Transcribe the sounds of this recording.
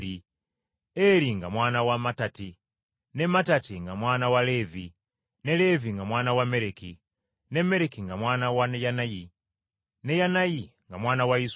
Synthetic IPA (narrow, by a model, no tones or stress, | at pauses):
i | ɛɾiŋɡamwanawamatati | nɛmatatiŋɡamwanawalɛvi | nɛlɛviŋɡamwanawamɛɾɛkʰi | nɛmɛɾɛkʰiŋɡamwanawanɛjanaji | nɛjanajiŋɡamwanawais